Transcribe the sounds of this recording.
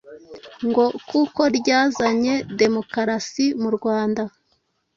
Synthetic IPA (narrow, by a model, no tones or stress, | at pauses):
ŋɡo̞kuko̞ɾɟaːzaɲe̞de̞mo̞kaɾasimuɾɡwaːnda